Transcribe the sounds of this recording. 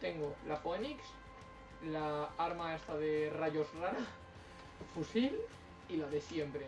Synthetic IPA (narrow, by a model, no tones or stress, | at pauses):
t̪eŋɡolapoeniks | laaɾmaest̪aðeraʝozraɾa | fusil | ilaðe̞sjempɾe